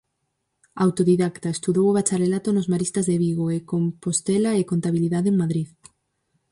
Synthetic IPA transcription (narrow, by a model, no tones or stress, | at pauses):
awt̪oðiðakt̪aest̪uðowoβat͡ʃaɾelat̪onozmaɾist̪ɐzðeβiɣoekompost̪elaekont̪aβiliðaðeŋmaðɾið